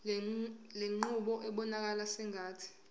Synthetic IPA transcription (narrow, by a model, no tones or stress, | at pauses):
leŋ͡ǃuɓɔʔɛɓɔnak̬alasɛŋʱaːtʰi̥